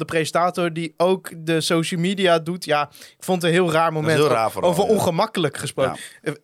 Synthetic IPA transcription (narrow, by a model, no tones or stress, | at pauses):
dəprejzəntaːtʊɹdiowkdəsowʃəlˠmidiadutjakfont̬ənɦɪːlˠraːɹmowmɛnaːfowvəɔnχəmɑkələkχəspro